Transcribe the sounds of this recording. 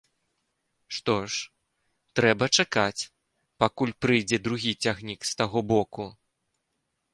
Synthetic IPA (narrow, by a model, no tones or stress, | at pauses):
ʂt̪ɔʂ | t̪ɾɛbɐt͡ʂakat͡sʲ | pakulʲpɾɨjd͡zʲɛd̪ɾuɣʲit͡sʲaɣnʲikst̪aɣɔbɔku